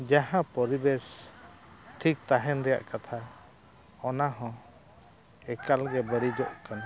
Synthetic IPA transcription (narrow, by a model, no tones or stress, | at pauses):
d͡ʒaɦãpɔɾibɛs | ʈʰik̚t̪aɦɛnɾɛja̰ʔkat̪ʰa | ɔnaɦɔ̃ | ɛkalɡɛbəɽid͡ʒɔʔkan